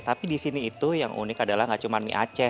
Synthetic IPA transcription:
t̪apidisiniːt̪ujaŋʔṵnɪkadalahŋɡaʔt͡ʃumanmḭʔa̰t͡ʃɛ

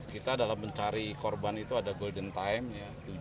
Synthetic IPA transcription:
kit̪adalahməɲt͡ʃaɾikɔrbanit̪uadaɡoldənt̪aɛmjat̪u

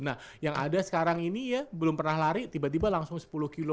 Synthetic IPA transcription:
nahjaŋa̰dasə̥kaɾaŋinijabəlʊmpərnahlaɾit̪ibat̪ibalaŋsʊŋsə̥pulʊhkilo

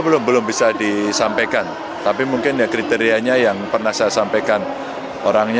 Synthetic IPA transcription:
bəlʊmbəlʊmbisadisampajkan | t̪apimuŋkɪnjakɾit̪eɾiaɲajaŋpərnahsajasampajkan | oɾaŋɲ

